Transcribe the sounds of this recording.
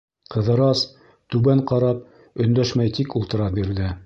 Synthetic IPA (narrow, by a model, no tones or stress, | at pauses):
qɤ̆ðɤ̆ɾɑs | t̪ʉβæɴqɑɾɑp̚ | ɵ̆nd̪æʃmæjt̪ikulˠt̪ɤ̆ɾɑbiɾðɘ